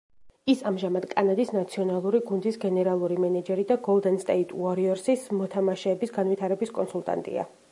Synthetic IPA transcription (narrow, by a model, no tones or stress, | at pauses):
isamʒamad̪̥kʼanad̪isnat̪sʰiɔnalˠuɾiɡund̪isɡɛnɛɾalˠuɾimɛnad͡ʒɛɾid̪aɡɔlˠd̪ɛnst̪ʼɛit̪ʰʼuaɾiɔɾsismɔt̪ʰamaʃɛːbisɡanvit̪ʰaɾɛbiskʼɔnsulˠt̪ʼa̰nt̪ʼḭa̰